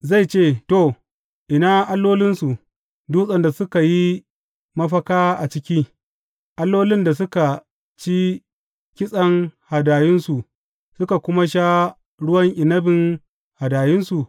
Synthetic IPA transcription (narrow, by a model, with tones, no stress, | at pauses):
za˦˨jt͡ʃeː˦˨to˦˨ | ʔɪ˨naː˦ʔa˦lːoː˦lɪ˦nsu˨ʔ | duː˦sʼɐ˨nda˨sʊ˦ka˨ji˦ | mɐ˦ɸɐ˦kaː˦ʔa˨t͡ʃɪ˦kʲiː˦ | ʔa˦lːoː˦lɪ˦nda˨sʊ˦ka˨ | t͡ʃi˦ | kʲɪ˦sʼɐ˦ŋha˨daː˨jɪ˦nsu˨ʔ | sʊ˦ka˨kʷʊ˦ma˦ʃ̬a˦ | ɽʊ˦wɐ˦ŋʔɪ˨nɐ˦bɪ˨ŋ | ha˨daː˨jɪ˦nsu˨ʔ